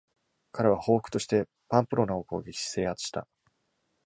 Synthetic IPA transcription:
kaɾe̞β̞aho̞ːɸɯ̥kɯ̟t̪o̞ɕi̥t̪e̞ | pãmpɯ̟ɾo̞naokɯo̰ːɡʲekʲi̥ɕi̥se̞ːhat͡sɨ̥ɕi̥t̪a̰

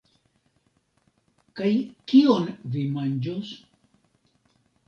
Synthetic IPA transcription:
kajkionvimand͡ʒos

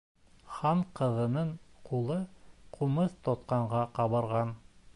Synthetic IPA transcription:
χɑɴqɤ̆ðɤ̆nɤɴqulˠɤqʰumɤθt̪ot̪̚qɑɴʁɑqɑβɤ̆ɾʁɑn

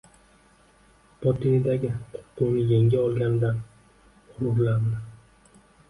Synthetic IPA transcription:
pʰɒt̪ʰinid̪aɡʲɪqʰʊ̥qːʊnɪjeŋɡʲaɒlˠɡʲanɪd̪an | hʊɾʊɾland̪ɪ

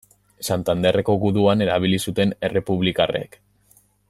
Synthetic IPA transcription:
sant̪and̪e̞reko̞ɣuðuane̞ɾaβ̞ilisut̪e̞ne̞re̞puβlikarḛk

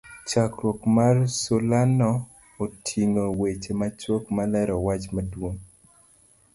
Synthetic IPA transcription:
t͡ʃakɾɔkmarsolanɔː | tʰiŋowet͡ʃemat͡ʃokmalɛɾɔwat͡ʃmadwoŋ

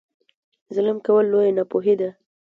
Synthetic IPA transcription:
zələmkawəlːojanapoɦed̪a

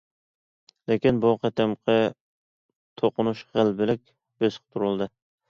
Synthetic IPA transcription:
lekʲinbuqɛt̪ʰɛmqʰɛ | t̪ʰoqʊnuʃχəlbɪlɪkʲ | besqt̪ʰuɾʊlˠd̪ɨ

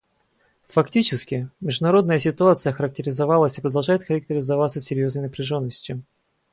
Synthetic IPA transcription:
fɐktʲit͡ɕɪskʲɪmʲɪʐd̪ʊnɐɾo̞d̪nəjəsʲɪt̪ʊat̪sɨjəxəɾək̚tʲɪɾʲɪzɐvalˠəsʲɪpɾəd̪ɐlˠʐajɪt̪xəɾək̚tʲɪɾʲɪzɐvat̪səsʲɪɾʲjo̞znəjnəpɾʲɪʐo̞nːəsʲtʲjʊ

